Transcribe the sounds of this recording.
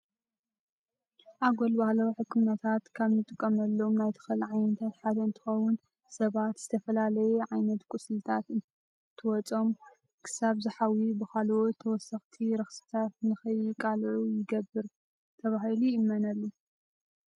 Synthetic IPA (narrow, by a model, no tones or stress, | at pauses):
ʔaɡolbahlɐwħɨkʰːɨmnɐt̪ʰat̪kʰaβnɨt̪ʼɨkʼːɐmɐlːomnajt̪ʰɨ̥xɨlʕajnɐt̪ʰat̪ħad̪ɐɨnt̪ʰɨ̥xɐwʊn | sɐβat̪z̥ɨt̪ʰɐfɐlalɐjɛʕajnɐt̪kʼʊslt̪ʰat̪ɨn | t̪ʰɨwɔt͡sʼo̞m | kʰɨ̥saβzɨħawibɨxalʔot̪ʰːɐwɔsːɐxt̪ʰiɾɐxsɨ̥t̪ʰat̪nɨxɐjɪkʼalʕujɪɡɐbːɨɾ | t̪ʰɐβahiluɪmːɐnɐlːu